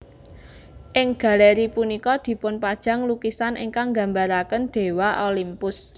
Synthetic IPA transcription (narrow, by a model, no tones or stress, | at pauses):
ʔɪŋɡ̥a̤lɛɾipunikɔd̪̥i̤pʊnpad̥ʒ̥ä̤ŋlukisanʔɪ̰ŋkaŋɡa̤mbaɾakənd̪̥e̤waʔolimpʊs